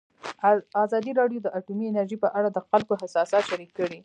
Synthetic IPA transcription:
ɑzɑd̪iɾɑɖjod̪əʔaʈumiɪnaɾʒipəʔaɽad̪əxalkoɦasɑsɑt̪ʃaɾikːəɽi

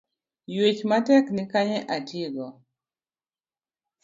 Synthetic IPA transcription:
jwet͡ʃmatɛknɪkaɲeʔateɡɔ

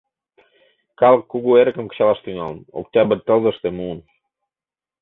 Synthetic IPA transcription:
kɑləkːuɣueɾə̆kə̆mkə̥̆ɕɑlɑʃt̪ynɑləno̰k̚t̪ʲɑbə̆t̪ːə̆lzə̆ʃt̪emuːn

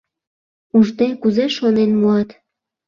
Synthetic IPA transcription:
uʒt̪ekuzeʃonenmuɑt̪

